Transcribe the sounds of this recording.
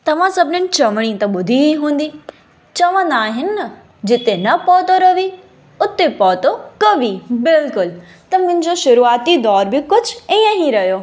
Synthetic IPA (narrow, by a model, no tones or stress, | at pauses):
t̪ɐʋ̤ãsɐbʱɪnənɪ̆t͡ɕɐʋəɽ̃it̪ɐɓʊd̪ʱiɦiɦũːn̆d̪iː | t͡ɕɐʋə̃nd̪aːɦɪnɪnɐ | d͡ʑɪt̪enɐpɔːt̪oɾɐʋi | ʊt̪epɔːt̪okɐʋibɪlkʊl | t̪ɐmʊ̃ɦɪ̃ɲd͡ʑoʃʊɾuːaːt̪id̪ɔːɾbɪkʊd͡ʑʱĩːə̃ɦĩɾɐɦjoː